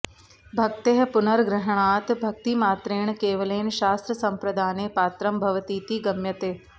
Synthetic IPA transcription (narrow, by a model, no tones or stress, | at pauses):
bʱɐk̚t̪eɦpʊnəɾɡɾɪɦɳ̃aːt̪bʱɐk̚t̪imaːt̪ɾeːɳ̃keːʋəleːnʃaːst̪ɾəsɐ̃mpɾɐd̪ʱaːneːpaːt̪ɾəmbʱɐʋt̪iːt̪iːɡɐmjɐt̪eː